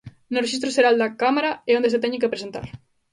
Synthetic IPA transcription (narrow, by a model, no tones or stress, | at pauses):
nʊreʃist̪ɾʊseɾald̪akamaɾaeond̪eset̪ɛɲekepɾesent̪a̰ɾ